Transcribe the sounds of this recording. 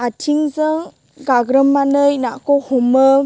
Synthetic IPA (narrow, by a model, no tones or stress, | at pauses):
atʰiŋzɯŋ | ɡaɡɾəmːanɯjnakɔhɔmɯ